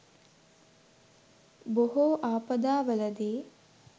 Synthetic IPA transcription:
boɦoʔaːpɐd̪aːʋɐlɐd̪iː

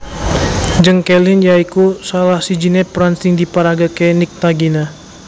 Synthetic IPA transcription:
d͡ʒəŋkɛlɪnjaikusalahsid͡ʒinɛpɾansiŋdipaɾaɡakɛnik̚t̪aɡina

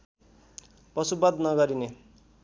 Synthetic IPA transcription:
pʌsubʌd̪nʌɡʌɾine

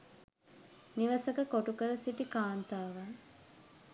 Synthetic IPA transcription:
niʋəsəkəkoʈukəɾəsiʈikaːnt̪aːʋa

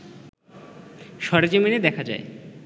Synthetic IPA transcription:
ʃɔɾed͡ʑomined̪ɛkʰad͡ʑa̰e

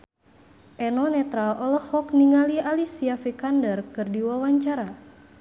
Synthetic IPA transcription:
ʔɛnɔnɛt̪ɾalɔlɔhɔkniŋalialisiafikandərkɨrdiwawaɲt͡ʃaɾa

